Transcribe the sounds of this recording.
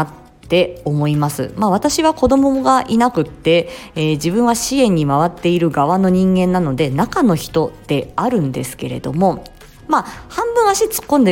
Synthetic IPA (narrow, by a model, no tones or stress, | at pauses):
atː | e̞o̞mo̞imasɨ̰maβat̪aɕiβako̞d̪o̞mo̞ɡaʔinakɯ̟t̪ːe̞ːd͡ʑibɯ̟̃ɰ̃βaɕiẽ̞ɲ̟ːimaβ̞at̪ːe̞iɾɯ̟ɡaβano̞ɲ̟ĩŋɡẽnːano̞d̪e̞nakano̞çi̥t̪o̞d̪̥e̞aɾɯ̟̃nd̪e̞sɨ̥ke̞ɾe̞̰d̪o̞mo̞ | mahãmbɯ̟̃ɰ̃aɕit͡sɨ̥kːõ̞nd̪e